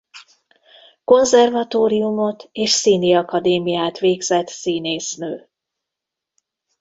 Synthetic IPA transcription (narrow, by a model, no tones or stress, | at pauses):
ko̞nzɛrvɒt̪oːɾijumo̞t̪eːʃsiːniɒkɒd̪eːmijaːt̪ʋeːɡzɛt̪siːneːsnøː